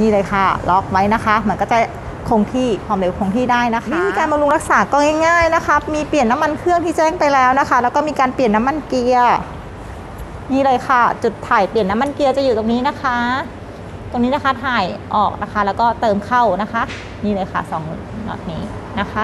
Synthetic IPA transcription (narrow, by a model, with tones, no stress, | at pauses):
niː˥˩lɤː˧jxʰa˧˥˩lɔ˦˥k̚wa˦˥jna˦˥kʰa˦˥ma˧˦˥nkɔː˥˩t͡ɕa˧˩ | kʰo˧ŋt̪ʰiː˥˩pʰɔː˧˩mle˧˦wkʰoː˧ŋt̪ʰiː˥˩daː˥˩jna˧˦˥a˥miː˧kaː˧nbɔ˧lu˧ŋɾa˦˥k̚saː˩˦kɔː˧˥˩ŋɛː˥˩ŋaː˥˩jna˦˥kʰa˦˥miː˧pi˨˩ənːa˦˥mːa˧nkʰɯ˥˩əŋt̪ʰiː˥˩t͡ɕɛː˥˩ŋpa˧jlɛː˦˥wna˦˥xʰa˦˥lɛː˦˥wkɔː˥˩miː˧kaː˧npi˨˩ənːa˦˥mːa˧nki˧ɐ | niː˥˩˨lɤː˧jkʰa˧˩t͡ɕu˨˩t̪ʰːaː˨˩jpli˨˩nːa˦˥mːa˧nki˧əwt͡ɕa˨˩ʔjuː˨˩t̪o˧ŋniː˦˥na˦˥kʰa˦˥ | t̪o˧ŋiː˦˥na˦˥kʰa˦˥˩t̪ʰaː˨˩jʔɔ̰ː˨˩k̚na˦˥xʰa˦˥lɛː˦˥wkɔː˥˩t̪ɤː˧mkʰa˥˩wna˦˥kʰa˦˥ʔ | niː˥˩lɤː˧jxʰa̰˥˩sɔː˨˦ŋ | nɔ̰˨˩t̪̚niː˦˥na˦˥kʰa˦˥